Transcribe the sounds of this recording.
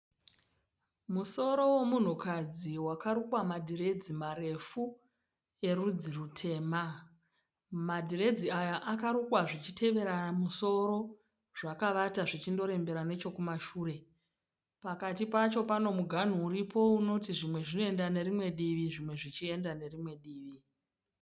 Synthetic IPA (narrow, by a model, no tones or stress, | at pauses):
muso̞ɾo̞we̞mun̤ukad͡ziwakaɾukwamadʱiɾe̞d͡zimaɾe̞fu | e̞rud͡zirutʰe̞ːma | madʱiɾe̞d͡ziajaʔakaɾukwaʐit͡ʃitʰe̞ʋe̞ɾaamuso̞ɾo̞ | ʐ̥akaʋataʐit͡ʃindo̞ɾe̞mbe̞ɾane̞t͡ʃo̞kumaʃuːre̞ | pakatipat͡ʃo̞pano̞muɡʱan̤uuɾipʰo̞uno̞tiʐimwe̞ʐino̞e̞ndane̞ɾimwe̞ɗiʋiʐimwe̞ʐit͡ʃie̞ndane̞rimwe̞ɗiːʋi